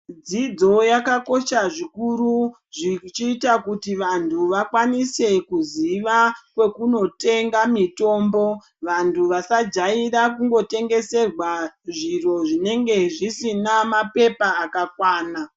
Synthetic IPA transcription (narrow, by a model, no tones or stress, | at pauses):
d͡zid͡zo̞jakako̞ʃaʐikuɾu | ʐit͡ʃiːtakutiʋantʰuʋakwanise̞kuziʋakwe̞kuno̞te̞ŋɡamito̞ːmbo̞ | ʋantʰuʋasad͡ʒairakuŋɡo̞te̞ŋɡe̞se̞rwaʐiro̞ʐine̞ŋɡe̞ʐisinamape̞paːkakwaːna